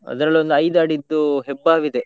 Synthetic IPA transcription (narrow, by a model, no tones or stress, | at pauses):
ɐ̰d̪ɾɐɭuond̪uɐjd̪aːɽid̪ːuɦebːaːʋid̪e